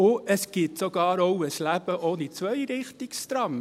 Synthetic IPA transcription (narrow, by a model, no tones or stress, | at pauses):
ʊʔəsɡ̥ɪtsoɡɑːɾowəslæb̥əʔonit͡sʋœjɾɪχtɪkstɾɑm